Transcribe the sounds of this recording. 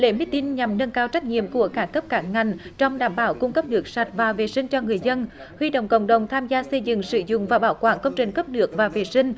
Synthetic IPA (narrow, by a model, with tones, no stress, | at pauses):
lḛ˧˩˦mi˦˥t̪i˧nɲa˨˩mnə˧nkaː˧wt͡ɕa˦˥k̟̚ɲḭ˧˨əmku˧˩əkaː˦˥kə˦˥p̚kaː˧˩˦ŋŋa˨˩jŋ̟t͡ɕɔ˧wŋ͡mɗaː˧˩mɓaː˧˦wkʊ˧ŋ͡mkə˦˥p̚nɨ˦˥ək̚sa˨˩t̚vaː˨˩ve˨˩sï˧ŋ̟t͡ɕɔ˧ŋɨ˨˩əjzə˧n | hwi˧ɗə̰˧˨wŋ͡mkə̰˧˨wŋ͡mɗə˨˩wŋ͡mt̪ʰaː˧mzaː˧sə˧jzɨ̰˧˨ŋsɨ̰˧˩zʊ̰˧˨ŋ͡mvaː˨˩ɓaː˧˨˦wkwa̰ː˧˩nkə˧wŋ͡mt͡ɕï˨˩ŋ̟kə˦˥p̚nɨ˦˥ək̚vaː˨˩ve˨˩sï˧ŋ̟